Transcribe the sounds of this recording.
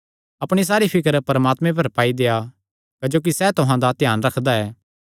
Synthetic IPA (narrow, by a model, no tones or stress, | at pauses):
ɐpɽ̃is̬aːɾipʰɪkəɾpɐɾəmaːt̪mẽp̬ɐɾpaːid̪eːa | kɐd͡ʒoːk̬isɛːt̪ʊɦãd̪at̪ɪjaːnɾɐkʰd̪aɛː